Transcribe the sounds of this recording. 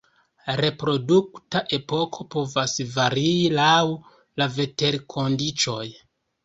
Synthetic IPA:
ɾe̞pɾo̞duktaʔe̞po̞kʰo̞po̞vasvaɾiilaw | lave̞te̞ɾkʰo̞ndit͡ʃo̞j

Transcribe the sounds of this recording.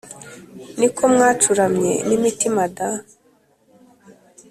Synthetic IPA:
nikʰomŋat͡ʃuɾamɲḛnimitimada

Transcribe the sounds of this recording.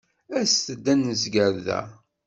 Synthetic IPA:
æst̪əd̪ːænəzɡəɾðæ̰

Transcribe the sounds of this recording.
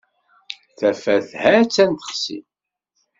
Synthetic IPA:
θæfæθhæt͡sːænt̪ə̥χsḭ

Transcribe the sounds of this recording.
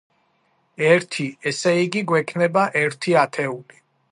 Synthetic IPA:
ɛɾt̪ʰiɛsɛiɡiɡwɛkʰnɛbaʔɛɾt̪ʰiat̪ʰɛuli

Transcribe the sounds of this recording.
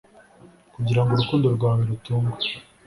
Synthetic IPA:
kuɟiɾaŋɡoɾukuːndo̞ɾɡwaːweɾutuːŋɡwḁ

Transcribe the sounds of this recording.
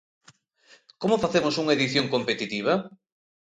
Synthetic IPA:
komʊfaθemʊsuŋɐeðiθjoŋkompet̪it̪iβ̞ɐ

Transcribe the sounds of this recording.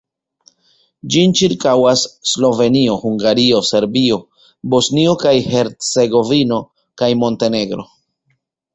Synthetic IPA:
d͡ʒint͡ʃiɾkawasːlo̞ve̞nio̞huŋɡaɾio̞se̞ɾbio̞ | bo̞snio̞kajhe̞ɾt͡se̞ɡo̞vino̞ | kajmo̞nte̞ne̞ɡɾo̞̰

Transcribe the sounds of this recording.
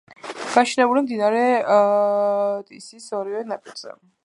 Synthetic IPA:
ɡ̥aʃnɛbulimd̪inaɾɛ | t̪ʼisisɔɾivɛnapʼiɾz̥ɛ̰

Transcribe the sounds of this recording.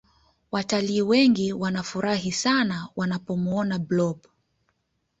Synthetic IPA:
wataliːwɛŋɡiwanafuɾaɦisanawanapɔmuɔnablɔb

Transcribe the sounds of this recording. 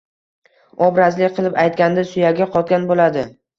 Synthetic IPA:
ɒbɾazlɪkʲqʰɨlˠɪpajt̪̚ɡʲand̪asʊjaɡʲaqʰɒt̪̚ɡʲanbolad̪ɪ

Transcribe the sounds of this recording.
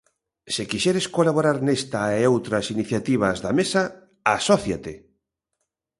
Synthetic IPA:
sɪkiʃɛɾeskolaβoɾaɾnest̪aeowt̪ɾɐsiniθjat̪iβ̞ɐzðamesa | asɔθjat̪ɪ

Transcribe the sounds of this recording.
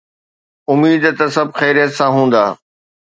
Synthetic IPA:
ʊmiːd̪t̪ɐsɐb̚ʱxɛːɾijət̪sãɦũːn̆d̪a̰ː

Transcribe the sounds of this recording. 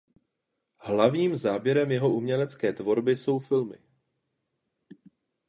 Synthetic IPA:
ɦlavɲiːmzaːbjɛɾɛmjɛɦo̞umɲɛlɛt͡skɛːt̪vo̞ɾbɪso̞wfɪlmɪ̰

